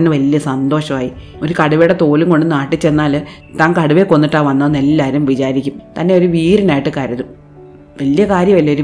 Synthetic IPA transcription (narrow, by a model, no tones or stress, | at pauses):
ɐnːɨʋɐljɐsɐnd̪o̞ːʂɐmaːji | o̞ɾukɐɽuʋejɽet̪o̞ːluŋko̞ɳɖɨnaːʈːit͡ɕːe̞nːaːl | t̪aːŋkɐɽuʋeko̞nːiʈːaːʋɐnːɐnelːaːɾumʋit͡ɕaːɾikʲːumt̪ɐnːe̞o̞ɾuʋiːɾinaːjiʈːɨkaːɾjɐðu | ʋɐlijɐkaːɾjɐmʋɐljɐoɾu